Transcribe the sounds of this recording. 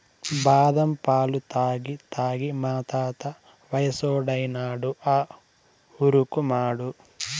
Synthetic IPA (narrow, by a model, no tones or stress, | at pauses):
baːd̪ɐmpaːlut̪aːɡit̪aːɡimaːt̪aːt̪ɐ | ʋɐjɐsoːɖɐjnaːɽuʔaː | uɾukumaːɽu